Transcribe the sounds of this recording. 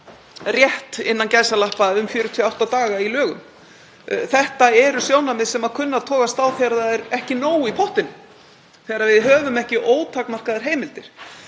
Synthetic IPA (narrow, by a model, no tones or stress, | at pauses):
rjɛht̪ɪnːancajsalahpaʏmfjʏːɾʏt̪ʰɪawht̪at̪aːɣailœːɣʏm | θɛht̪aɛɾʏsjoːwnamɪðsɛmaðkʰʏnːaðt̪ʰɔːkast̪awθjaɾðaðɛɾɛhcɪnoːwipʰɔht̪ɪnʏ | θɛːɾaɾvɪðɦœːvʏmɛhcɪʔoːwt̪ʰaknmar̥kaðaɾ̥ɦeːjmɪlt̪ɪɾ̥